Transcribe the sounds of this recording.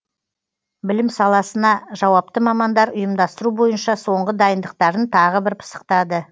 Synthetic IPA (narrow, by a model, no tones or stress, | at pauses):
bɪlɪmsɑlˠɑsənɑʒɑwɑp̚t̪əmɑmɑnd̪ɑɾʊjəmd̪ɑst̪əɾubo̞jənʃɑso̞ɴʁəd̪ɑjənd̪əq̚t̪ɑɾənt̪ʰɑʁəbɪɾpʰə̥sə̥q̚t̪ɑd̪ə